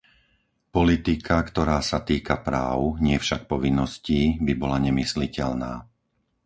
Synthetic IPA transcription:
pɔlit̪ikʰakt̪ɔɾaːsat̪iːkapɾa̰ːʊɲɪɛfʃak̚pɔʋinːɔsciːbibɔlaɲɛmislicɛlnaː

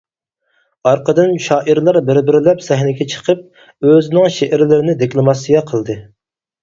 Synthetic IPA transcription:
ɑɾqʰəd̪ɨnʃɑːʔiɾlˠɑɾbɪɾbɪɾɪlɛpsɛɦnɪɡʲɛt͡ʃʰə̥qʰəp̚ | øzɪnɪŋʃeʔæɾlɪɾɪnɪd̪ekʲlˠomɑsijɛqʰəlˠd̪ɨ

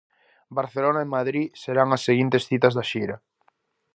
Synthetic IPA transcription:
baɾθelonaemaðɾiseɾaŋasːeɣint̪esθit̪azðaʃiɾa

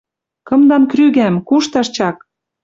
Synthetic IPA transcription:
kɤ̆md̪ɑnkryɣæmkuʃt̪ɑʃt͡ɕɑk̚

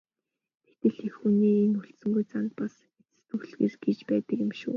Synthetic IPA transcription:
t̪ʰe̥t̪ɘ̆ɮexxuniːenuɬt̪sɵ̆ŋɡujt͡sant̪̚pas | et͡sɘ̥̆t̪uɣeːrɡ̥et͡ɕpæːt̪ə̆kjɪ̆mʃṵː

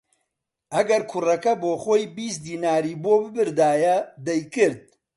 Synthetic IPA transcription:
ʔɐɡɐɾkʰʊrɐkɐboːxoːjbiːs̚d̪iːnaːɾiːboːbɨbɨɾd̪aːjɐd̪ɛjkɨɾd̪̚

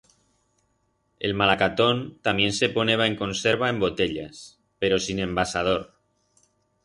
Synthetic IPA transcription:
ḛlmalakat̪ont̪amje̞nseponeβ̞aeŋkonseɾβ̞aembot̪eʎa̰s | peɾosinembasað̞oɾ

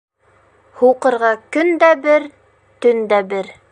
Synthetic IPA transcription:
huwqɤ̆ɾʁɑkɵnd̪æbɘɾ | t̪ɵnd̪æbɘɾ

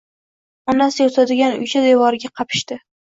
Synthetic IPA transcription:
ɒnasjot̪ʰad̪ɪɡʲanʊ̰jt͡ʃʰad̪evɒɾɪɡʲaqʰɑpʰɪ̥ʃt̪ɪ

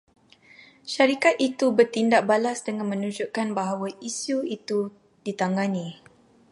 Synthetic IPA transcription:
ʃaɾikat̪̚it̪ubərt̪indaʔ̚balasdəŋãnmə̃nud͡ʒuʔkanbaɦawaisuit̪u | dit̪aŋɡanĩ

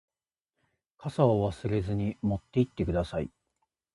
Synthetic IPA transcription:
kasaoβasɨɾe̞zɨɲ̟imo̞t̪ːe̞it̪ːe̞kɯ̟d̪asaḭ

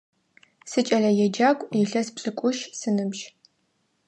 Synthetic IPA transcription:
sɨt͡ʃʼɐɮɐjɛd͡ʒaːkʷʼjɪɬɐspɕʼɨkʷʼʊʃsɨnɨbʒ

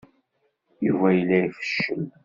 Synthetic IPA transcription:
jivæjəlːæifə̥ʃːəm

